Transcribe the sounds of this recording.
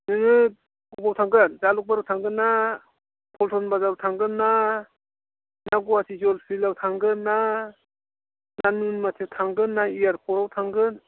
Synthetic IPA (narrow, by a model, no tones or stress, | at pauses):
nɯŋɯ | kubawtʰaŋɡɯnzaluk̚baɾɯwtʰaŋɡɯnːa | pʰɔltʰɔnbazaɾtʰaŋɡɯnːa | naɡɔasʰizɔlpʰilawtʰaŋɡɯnːa | nanunmatʰewtʰaŋɡɯnːaijaɾpʰɔɾawtʰaŋɡɯn